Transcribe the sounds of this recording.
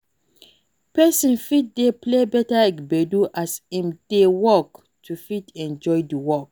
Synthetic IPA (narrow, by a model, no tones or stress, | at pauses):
pɛsĩnfit̚deplebɛtalakbɛduʔasɛ̃mdewɔk | tʰufitɛ̃nd͡ʒɔjdiwɔk̚